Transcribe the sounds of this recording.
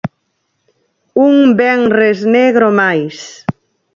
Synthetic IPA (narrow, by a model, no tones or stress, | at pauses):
uŋbɛŋrezneɣɾomajs